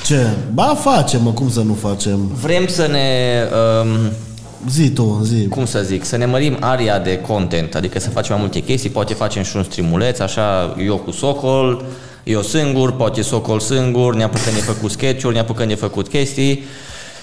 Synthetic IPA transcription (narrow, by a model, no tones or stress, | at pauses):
t͡ʃebafat͡ʃe̞məkumsənufat͡ʃe̞mvɾe̞msəne̞əm | zit̪ozikumsəziksəne̞məɾimaɾiad̪e̞ko̞nt̪e̞nt̪ad̪ikəsəfat͡ʃemːajmult̪e̞kʲe̞st̪ijpoat̪efat͡ʃe̞mʃiunst̪ɾimule̞t̪saʃajo̞kusokol | josɨŋɡurpat̪esoko̞lsɨŋɡurneapukənd̪jefəkut̪skʲe̞t͡ʃurʲneapukənd̪jefəkut̪kʲe̞st̪ij